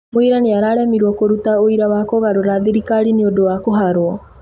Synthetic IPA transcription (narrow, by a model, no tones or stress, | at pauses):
moiɾaneaɾaːɾɛmiɾwɔkoɾutaoiɾawaːkoɣaɾoɾaðiɾikaɾineodowakoɦaɾwɔ